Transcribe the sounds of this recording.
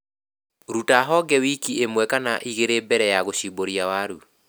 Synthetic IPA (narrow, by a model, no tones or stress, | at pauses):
ɾutaɦɔɡɛwikiemwɛkanaʔiɣeɾebɛɾɛjaɣoɕiboɾjawaɾu